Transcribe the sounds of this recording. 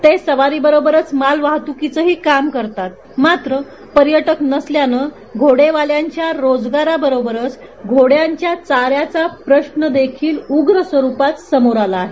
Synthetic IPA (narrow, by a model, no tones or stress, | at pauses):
t̪esəʋaɾiːbəɾobəɾət͡smalʋaɦt̪ukit͡səɦiːkamkəɾt̪at̪̚ | mat̪ɾə | pəɾjəʈəknəsljanə | ɡʱoɽeʋaljaɲt͡ɕjaɾod͡zɡaɾabəɾobəɾət͡s | ɡʱoɽjaɲt͡ɕjat͡saɾjat͡sapɾəɕɳəd̪ekʰiːluɡɾəsʋəɾupat̪səmoɾalaːɦe